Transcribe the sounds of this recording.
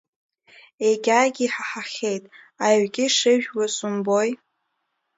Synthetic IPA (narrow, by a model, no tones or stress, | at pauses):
eɡʲaːɡʲiiħaħaχʲejtʼ | aɥɡʲɪʂɨʒᶣwasumboj